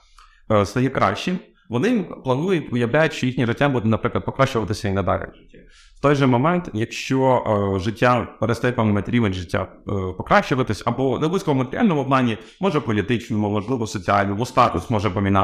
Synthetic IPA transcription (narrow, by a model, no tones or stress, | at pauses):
st̪ɐjɛkɾɑ̰a̰ʃt͡ʃi | ʋɔnɪmplˠɐnujʊtʲʋɪjɐwlʲajʊtʲʃt͡ʃɔjixnʲiʒɪtʲːambud̪nɐpɾɪklˠɐd̪̚pɔkɾaʃt͡ʃʊʋɐt̪ɪsʲɐinɐd̪ɑ̰ɾʲɛ̰ | wt̪ɔjʒɛmɔmɛnt̪jɐkʃt͡ʃɔʒɪtʲːapeɾɛst̪ɛjpɐmɪmɐt̪ɾʲiʋenʲʐɪtʲːa̰pɔkɾaʃt͡ʃʊʋɐt̪ɪsʲɐbɔnɛdblˠɪsʲkɔɔmɐt̪eɾʲɪalʲnɔmɔɔbnɑnʲːi | mɔʒɛpɔlʲit̪ɪt͡ʃnɔmʊmɔʒlˠɪʋɔsɔt͡sʲialʲnɔmɔst̪ɑk̪ɔ̰smɔʒɛpɔmʲinɑ